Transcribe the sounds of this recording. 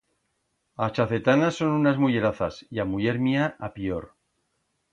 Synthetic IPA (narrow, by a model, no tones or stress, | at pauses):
at͡ʃaθe̞t̪anaso̞nunazmuʝeɾaθasiamuʝe̞ɾmiaʔapioɾ